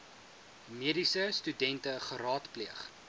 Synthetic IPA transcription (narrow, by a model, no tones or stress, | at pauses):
miədisəstydɛntəχəɾɑːtpliəχ